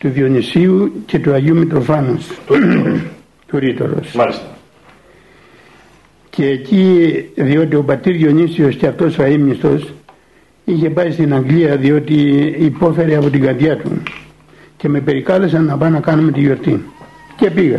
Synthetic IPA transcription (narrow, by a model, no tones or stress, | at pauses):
t̪uðio̞nisiuce̞t̪uɐʝiumit̪ɾofɐnus | t̪uɾit̪o̞̰ɾo̞̰ss | cʰe̞ːciðio̞t̪io̞pɐt̪ːiɾðio̞nisio̞sceɐft̪o̞soɐimɲist̪o̞s | içe̞pɐɾist̪inɐŋɡliɐðio̞t̪iːpo̞fe̞ɾeɐpo̞t̪iŋɡɐɾðjɐt̪ṵ | ce̞me̞pe̞ɾikɐlesɐnːɐpɐnɐkɐnumet̪ijo̞ɾt̪in | ce̞piɣɐ